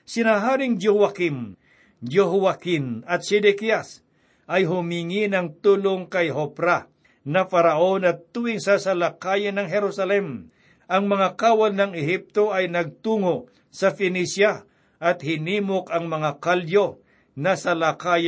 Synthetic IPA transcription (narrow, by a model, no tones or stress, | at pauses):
sɪnaɦaːɾɪŋd͡ʒohwakim | d͡ʒoɦʊwakɪnɐt̪̚sɛd̪ɛkias | ʔɐjɦʊmiŋɪnɐŋt̪uːloŋkɐjɦopɾa | nɐfɐɾɐʔo̞nɐt̪ːuːʔɪŋsɐsɐlakaːjɐnɐŋɦɛɾusɐlɛm | ʔɐŋmɐŋakaːwɐlnɐŋɪɦip̚t̪o̞ɐjnɐɡ̚t̪uːŋo | sɐfɪnisja | ʔɐt̪hɪniːmokɐŋmɐŋakaljo | nɐsɐlakaːj